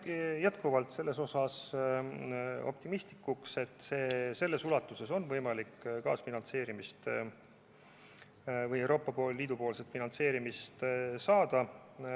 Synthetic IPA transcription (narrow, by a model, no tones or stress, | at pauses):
jæt̪kuvɑlt̪se̞lːe̞so̞sɑs | o̞p̚t̪imist̪likːˑukse̞t̪ːˑse̞ːse̞lːe̞sulɑt̪ːˑuse̞so̞nvɤjmɑlikːkɑ̰ːsfinɑnse̞ːɾimist̪ | vɤjewɾʔo̞ːpːˑɑpo̞ːlːiːd̪upoːlset̪finɑnt̪se̞ːɾimist̪sɑːd̪̥ɑ